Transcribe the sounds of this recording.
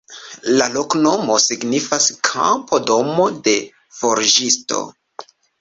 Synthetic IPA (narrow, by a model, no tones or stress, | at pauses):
lalo̞kno̞mo̞siɡnifaskʰa̰mpodo̞mo̞de̞ | fo̞ɾd͡ʒisto̞̰